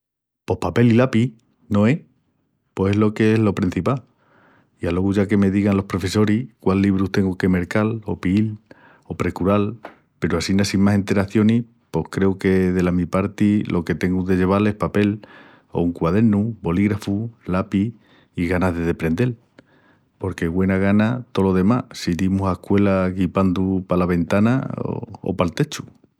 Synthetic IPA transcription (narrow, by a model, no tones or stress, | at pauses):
po̞hpape̞lilapi | no̞e̞ | po̞eɦlo̞ke̞e̞ɦlo̞pɾin̟θipal | ialo̞ɣuʝake̞me̞ðiɣanlo̞hpɾo̞fe̞so̞ɾihkwalːiβɾut̪e̞ŋɡuke̞me̞ɾkalo̞piil | o̞pɾe̞kuɾal | pe̞ɾuasinasimmase̞nt̪e̞ɾaθjo̞ni | po̞hkɾe̞uke̞ðe̞lamipaɾt̪ilʔo̞ke̞t̪e̞ŋɡuðe̞ʝe̞β̞ale̞hpape̞l | o̞̰uŋkwað̞e̞ɾnubo̞liɣɾafulapiː | ɣanaɦðe̞ð̞e̞pɾẽ̞nd̪e̞l | po̞ɾke̞ɣwe̞naɣ̞anat̪o̞lo̞ðe̞masiðimusahkwe̞laɣipand̪upalaβẽ̞nt̪ana̰o̰o̰palt̪e̞t͡ʃu̥